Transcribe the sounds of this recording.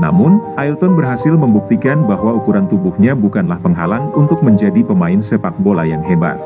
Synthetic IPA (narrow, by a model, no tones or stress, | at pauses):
na̰mʊnʔailt̪ɔnbərɦasɪlməmbuk̚t̪ikanbahwaukuɾant̪ubʊhɲabukanlahpəŋɦa̰laŋunt̪ʊk̚məɲd͡ʒadipəmaɪnsəpak̚bola̰jaŋɦeba̰t̪̚